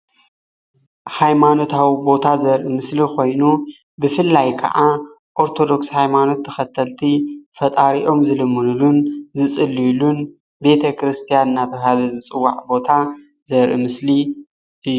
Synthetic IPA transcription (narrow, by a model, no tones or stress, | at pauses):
hajmano̞t̪ʰawibo̞t̪ʰazɐɾʔɨmɨslikʰo̞jnu | bɨfɨlːajkʰɐ̰ʔa | ʔo̞ɾt̪ʰo̞d̪o̞kshajmano̞t̪ʰːɐxɐt̪ʰːɐlt̪ʰifɐt̪ʼaɾiʔo̞mzɨlɨmːɨlulunzɨsʼɨlːilun | be̞t̪ʰɐkɾɨst̪ʰijanɨnːat̪ʰɐβhalɐzɨt͡sʼɨwːa̰ʕbo̞t̪ʰa | zɐɾʔḭmɨsli | ʔɨjː